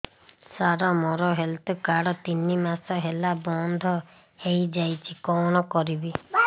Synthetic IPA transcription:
saɾɔmɔɾɔɦelt̪ukaɽɔt̪inimasɔɦelabɔnd̪ʱɔ | hejd͡ʒajt͡ʃʰikɔɽ̃ɔkɔɾibi

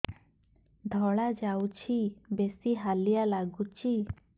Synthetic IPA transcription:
d̪ʱɔɭad͡ʒawt͡ʃʰibesiɦalijalaɡut͡ʃʰi

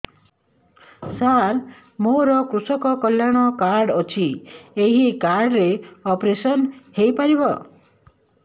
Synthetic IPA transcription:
saɾ | moɾɔkɾusɔkɔkɔljaɽ̃ɔkaɾɖɔt͡ʃʰieɦikaɾɽɾeɔpɾesɔnhejpaɾibɔ

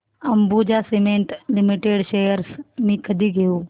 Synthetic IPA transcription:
ɐmbud͡ʑasemẽːɳʈlɪmɪʈeːɖʃeːjəɾsmĩːkɐd̪ʱiɡejuː

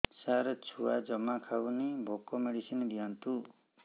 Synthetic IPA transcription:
saɾt͡ʃʰuad͡ʒɔmakʰawnibʱɔkɔmeɽisinid̪iant̪u

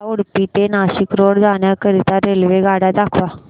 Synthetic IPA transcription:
oɽpit̪enaɕikɾoɽd͡zaɳjakəɾit̪aɾelʋeɡaɽad̪akʰʋa

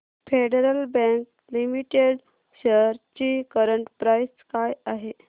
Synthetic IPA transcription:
feɖeɾəlbɛ̃ŋk | limiʈeɽ | ɕeɾt͡ɕiːkəɾəɳʈpɾajskajaɦe

